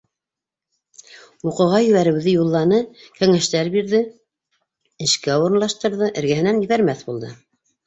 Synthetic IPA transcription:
uqɤ̆ʁɑjɵ̆βæɾɘ̆wðɘjulˠːɑnɤkæŋæʃt̪æɾbiɾðɘ | ɘ̆ʃkæuɾɤ̆nlˠɑʃt̪ɤ̆ɾðɤʔɘ̆ɾɡæɦɘ̆nænjɘ̆βæɾmæθbulˠd̪ɤ

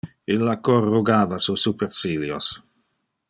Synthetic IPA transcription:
ilːakorːuɡaːvasusupeɾsiljo̰s

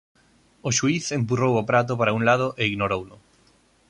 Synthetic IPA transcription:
oʃuiθempurowopɾat̪̬opaɾauŋlað̞oʔeiɣnoɾowlʊ

